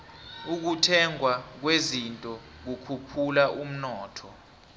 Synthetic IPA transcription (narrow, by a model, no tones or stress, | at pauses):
uk̬utʰɛŋʱwak̬wezintʼɔ | k̬ukʰupʰulaʔum̩nɔːtʰɔ